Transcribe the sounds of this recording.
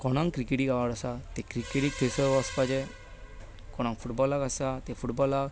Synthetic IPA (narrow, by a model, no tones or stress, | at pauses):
kɔnaŋkɾikeʈikawaɾasat̪ekɾikeʈik̚pʰesɔɾbɔspad͡ʒe | kɔnaŋpʰuʈbɔlakasat̪efʰuʈbɔlak